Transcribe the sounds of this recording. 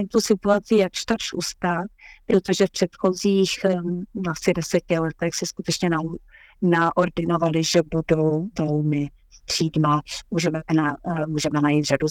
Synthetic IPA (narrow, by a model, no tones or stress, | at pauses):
t̪usɪt̪uat͡sɪjakʃt̪aɾʃṵst̪at̪pɾot̪oʒɛfpr̥ɛt̪xoziːx | asɪdɛsɛcɪlɛt̪ɛxsɛskut̪ɛt͡ʃɲɛna | naʔoɾdɪno̞valɪʒɛbudowvowmɪ | t̪r̝̥iːdmamuːʒɛmɛnamuːʒɛmɛnajit̪ʒ̥adu